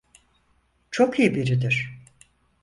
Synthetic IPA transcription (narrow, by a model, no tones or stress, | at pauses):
t͡ʃʰokʰijibiɾid̪iɾ̥